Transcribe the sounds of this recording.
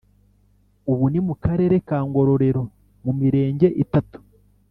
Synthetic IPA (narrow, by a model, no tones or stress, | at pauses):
uβunimukaɾe̞ɾe̞kaːŋɡo̞ɾo̞ɾe̞ɾo̞ | mumiɾe̞ːɲɟe̞ʔitatu̥